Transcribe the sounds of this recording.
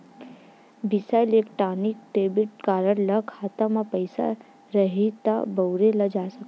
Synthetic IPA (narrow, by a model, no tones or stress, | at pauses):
bisalekʈanik̚ʈeːbɪʈ̚kaːɾəɽləkʰaːt̪amapəɪsa̰ | ɾəɦit̪a̰bəwɾeləd͡ʒasək